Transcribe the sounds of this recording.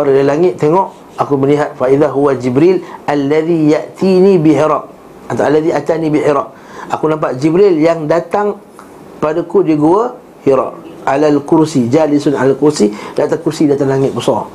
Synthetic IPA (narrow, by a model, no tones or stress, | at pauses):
waɾadalaŋɪt̪̚ːeŋɔʔ | akuməliɦat̪̚faʔiðaɦuwad͡ʒibɾilalːaðijaʔt̪ʰinibiħiɾaʔ̚ | at̪aalːaðiʔat̪anĩbiħiɾaʔ̚ | ʔakunãmp̬aʔd͡ʒibɾiljaŋdat̪aŋ | padakudiɡuə | hiɾa̰ʔalalkuɾsid͡ʒalisʊna̰lalkuɾsidat̪akuɾsidat̪aŋlaŋɪt̪̚bəsɔ